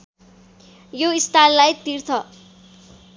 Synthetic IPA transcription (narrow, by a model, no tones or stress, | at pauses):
joist̪ʰalːajt̪irt̪ʰʌ